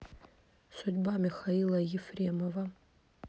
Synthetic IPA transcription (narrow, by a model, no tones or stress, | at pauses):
sʊdʲbamixailˠajɪfremova